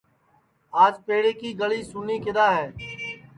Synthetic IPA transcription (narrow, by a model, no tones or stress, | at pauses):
aːd͡ʒpeːɽeːkiːɡəliːsʊniːkɪd̪aːɦɛː